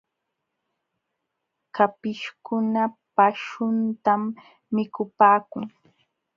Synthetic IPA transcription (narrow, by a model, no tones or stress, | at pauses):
kapɪʃkʊnapaʃʊnt̪amː | ɪkʊpaːkʊŋ